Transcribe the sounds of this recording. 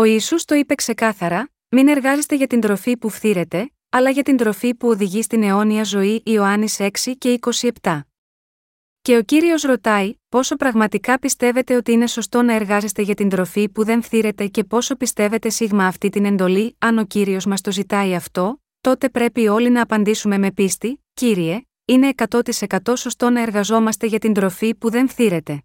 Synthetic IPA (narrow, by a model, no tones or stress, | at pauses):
o̞isust̪o̞ipe̞kse̞kɐθɐɾɐ | mine̞ɾɣɐze̞st̪e̞ʝɐt̪ind̪ɾo̞fipufθiɾe̞t̪e̞ | ɐlɐʝɐt̪ind̪ɾo̞fipuo̞ðiʝist̪ine̞o̞niɐzo̞iʔːo̞ɐnise̞ksice̞iko̞sie̞pt̪ɐ | ce̞o̞ciɾio̞sɾo̞t̪ɐipo̞so̞pɾɐɣmɐt̪ikɐpist̪e̞ve̞t̪e̞o̞t̪iine̞so̞st̪o̞nɐe̞ɾɣɐze̞st̪e̞ʝɐt̪ind̪ɾo̞fipuðe̞ɱfθiɾe̞t̪e̞ce̞po̞so̞pist̪e̞ve̞t̪e̞siɣmɐːft̪it̪ine̞nd̪o̞liɐno̞ciɾio̞zmɐst̪o̞zit̪ɐiɐft̪o̞ | t̪o̞t̪e̞pɾe̞pio̞linɐːpɐnd̪isume̞me̞pist̪iciɾie̞ | ine̞ːkɐt̪o̞t̪ise̞kɐt̪o̞so̞st̪o̞nɐe̞ɾɣɐzo̞mɐst̪e̞ʝɐt̪ind̪ɾo̞fipuðe̞ɱfθiɾe̞t̪e̞